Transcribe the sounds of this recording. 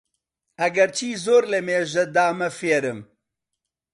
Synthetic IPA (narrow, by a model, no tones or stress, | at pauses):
ɐɡɐɾt͡ʃʰiːzoːɾlɛmeːʒɐd̪aːmɐfeːɾɨm